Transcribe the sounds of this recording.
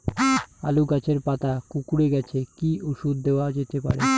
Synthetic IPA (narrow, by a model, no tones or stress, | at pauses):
a̰luɡat͡ɕʰeɾpat̪akukuɾeɡɛt͡ɕʰekiuʃud̪̚ːeoad͡ʑet̪epa̰ɾe